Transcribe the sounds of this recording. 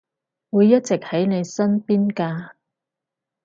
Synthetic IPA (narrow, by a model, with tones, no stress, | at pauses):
wuː˨˧jːɐ˥t̚t͡sɪ˨k̚hɐ˨˥jne˨˧jsɐ˥npiː˥nkaː˧